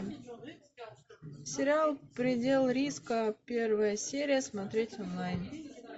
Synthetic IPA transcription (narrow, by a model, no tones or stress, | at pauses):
sʲɪɾʲɪalˠpɾʲɪdʲelˠɾʲiskəpʲe̞rvəjəsʲeɾʲɪjəsmat̪ɾʲetʲɔnlˠajn